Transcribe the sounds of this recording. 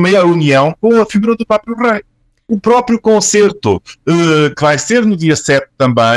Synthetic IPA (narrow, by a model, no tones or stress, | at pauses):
meɐuniɐ̃w̃kõɐfiɣuɾɐðupɾɔpɾjuʁɐj | upɾɔpɾjukõseɾt̪ṵɛkɨvajseɾnuðiɐsɛt̪̚ːɐ̃mbɐ̃